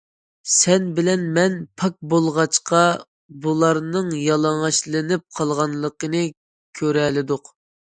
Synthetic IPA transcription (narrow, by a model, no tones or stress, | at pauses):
sɛnbɪlɛnmɛnpʰɑk̚bolˠʁɑt͡ʃqɑ | bulˠɑɾnɨŋjɑlˠɑŋɑʃlˠɨnɪp̚qʰɑlˠʁɑnlˠəqənɨ | kʲʰøɾɛlɪd̪ʊq